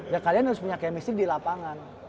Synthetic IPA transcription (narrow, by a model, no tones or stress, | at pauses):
jakalianhaɾʊspuɲakajamistɪk̚dilapaŋan